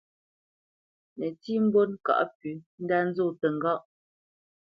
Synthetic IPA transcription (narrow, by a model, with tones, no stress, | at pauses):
nə˨ti˦m̩˦bo˦nka̰˨ʔpy˨n̩˦da˦n̩˦zo˦˨tə˨ŋ̩˨ɡɔ˦˨ʔ